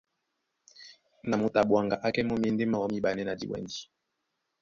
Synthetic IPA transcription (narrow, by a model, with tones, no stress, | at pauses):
na˨mo˨ta˨ɓwa˨ŋɡa˨ʔa˦kɛ˦mɔ˦mje˦nde˦ma˦˨ɔ˦mi˦ɓa˨nɛ˦na˨dḭ˨wɛ̰˨ndi˦